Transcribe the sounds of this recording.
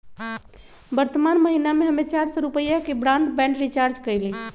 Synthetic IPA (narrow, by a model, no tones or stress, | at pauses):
bəɾt̪əmanməɦinameɦəmet͡ʃaɾsə̃ɾupəjakebɾanɖbɛ̃ɳɖɾit͡ʃaɾd͡ʒkəjli